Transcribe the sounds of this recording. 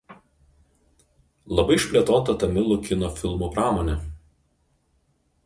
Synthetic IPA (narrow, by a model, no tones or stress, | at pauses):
lˠɐbɐɪɪʃʲpʲlʲiɛt̪oːt̪ɐt̪ɐmʲɪlˠʊkʲɪnoːfʲɪlˠmuːpɾɑːmoːnʲɛ